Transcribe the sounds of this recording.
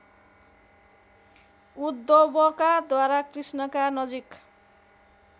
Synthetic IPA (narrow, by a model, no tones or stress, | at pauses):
ud̪ːobʌkad̪waɾakrisnʌkanʌd͡zik